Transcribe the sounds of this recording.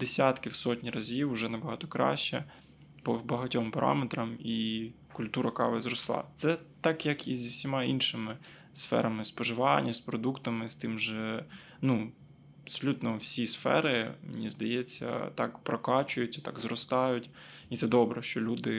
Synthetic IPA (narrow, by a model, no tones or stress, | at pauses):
d̪esʲat̪kɪwsɔtʲnʲiɾɐzʲiwʊʒɛnɐbɐɦɑt̪ɔkɾɑ̰ʃt͡ʃɛ̰ | pɔbɐɦɐtʲɔmpɐɾɑ̰met̪ɾɐmi | kʊlʲt̪uɾɐkɑ̰ʋɪzɾɔslˠɑ̰t̪sɛt̪ɑkjɐkizʲiwsʲimɑinʃɪmɪ | sfɛ̰ɾɐmɪspɔʒɪʋɑnʲːɐspɾɔd̪ukt̪ɐmɪst̪ɪmʒɛ | nu | ɐpsɔlʲut̪nɔwsʲisfɛ̰ɾɪmḛnʲizd̪ɐjɛt͡sʲːɐ̰t̪ɑ̰kpɾɔkɑt͡ʃʊjʊt͡sʲːɐ̥t̪ɑkzɾɔst̪ɑjʊtʲ | it̪sɛd̪ɔbɾɛʃt͡ʃɔlʲud̪ɪ